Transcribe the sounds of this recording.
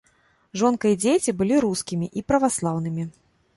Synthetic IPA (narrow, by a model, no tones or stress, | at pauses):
ʐɔnkɐid͡zʲet͡sʲibɨlʲiɾuskʲimʲiʔipɾɐvaslˠawnɨmʲi